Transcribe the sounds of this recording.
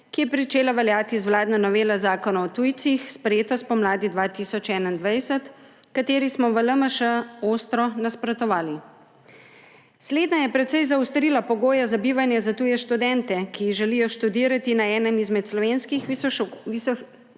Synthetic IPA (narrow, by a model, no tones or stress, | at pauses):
kijɛpɾit͡ʃeːlaʋɛljaːt̪izwlaːd̪nanɔʋeːlazaːkɔnaɔt̪ujt̪sixspɾɛjeːt̪ɔst̪̚pɔmlaːd̪id̪ʋaːt̪isɔt͡ʃɛːnaind̪ʋajsət̪kat̪eːɾismɔʋələməʃəost̪ɾɔnaspɾɔt̪ɔʋaːli | sleːd̪najɛpɾɛt̪sɛjzawst̪ɾiːlapɔɡoːjazabiːʋanjɛzat̪uːjɛʃt̪ud̪ɛnt̪ɛkiɣʒɛlijɔʃt̪ud̪iːɾat̪inaɛːnəmizmɛt̪slɔʋenskixi